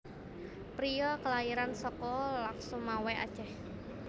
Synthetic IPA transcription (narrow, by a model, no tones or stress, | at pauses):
pɾijɔkəlaiɾansɔkɔlaŋsɔmawɛa̰d̥ʒ̥ɛh